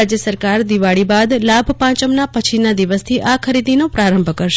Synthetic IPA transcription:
ad͡ʒjəsəɾkaɾd̪iʋaɭibad̪labʱpãt͡ʃəmnapət͡ʃʰinad̪iʋəst̪ʰiʔakʰəɾid̪inopɾaɾə̃mbʱkəɾʃe

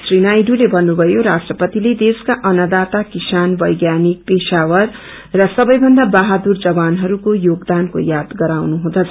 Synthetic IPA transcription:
srinajɖulebʱʌnːubʱʌjoɾasʈrʌpʌt̪iled̪eskaʔʌnʌd̪at̪akisanbʌjɡjanik̚pesawʌrː | ʌsʌbʌjbʱʌnd̪abaɦad̪urd͡zʌbanɦʌɾukojoɡd̪anko̰jad̪ɡʌɾawnuɦũd̪ʌt͡sʰ

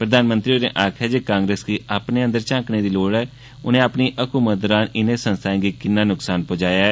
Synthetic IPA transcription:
pɾəd̪aːnmə̃nt̪ɾioːnḛ̃ːʔaːkʰɛːd͡ʒeːkãːŋɡɾeːsɡiːʔaːpneːənd̪əɾt͡ʃãːkneːd̪iːloːɽɛː | ʊnẽːaːpniːʔəkuːməd̪ɾaːnɪnẽːsənst̪ʰãːɡiːkɪnːãːnʊksaːnpoːd͡ʒaːjaːɛː

